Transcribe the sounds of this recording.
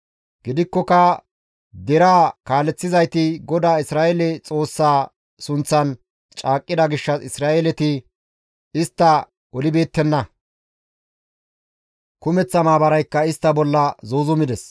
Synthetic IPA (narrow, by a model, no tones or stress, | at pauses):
ɡ̥ɪd̪ɪkːɔkɐ | d̪ɛɾaːkaːlɛt͡sːɪzɐjt̪ɪɡɔd̪aːɪsɾaːʔɛlɛt͡sʼo̞ːsːaː | sʊnt͡sːɐn | t͡ʃʼaːkʼːɪd̪ɐɡɪʃːɐɪsɾaːʔɛlɛt̪ɪ | ɪst̪ːɐ | ɔlɪbe̞ːt̪ːɛnːɐ | kʊmɛt͡sːɐmaːbɐɾɐjkːɐɪst̪ːɐbɔlːɐzoːzʊmɪd̪ɛs